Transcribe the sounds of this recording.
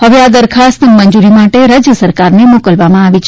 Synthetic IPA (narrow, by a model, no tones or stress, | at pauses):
həʋead̪əɾkʰast̪əmənd͡ʒuɾimaʈeɾad͡ʒjəsəɾkaɾnemokəlʋamãaʋit͡ʃʰ